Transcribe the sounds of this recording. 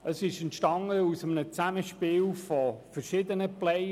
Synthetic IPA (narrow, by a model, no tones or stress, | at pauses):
əsɪʃɛntʃtɑŋəusəmənət͡sæməʃpiːlfɔfərʃɪd̪ənəplɛ